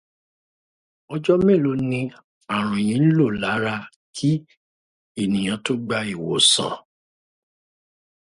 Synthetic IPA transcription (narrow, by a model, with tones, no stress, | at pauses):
ɔ˧d͡ʒɔ˦mɛ̃˦˨lo˧˦nĩ˧ | a˨ɾ̃ũ˨j̃ĩ˨˧˦n̩˦lo˦˨la˨˦ɾa˧ | kʰi˦ | e˦˨nĩ˨j̃ã˨˧˦to˦ɡ͡ba˧i˨wo̰˨sã̰˨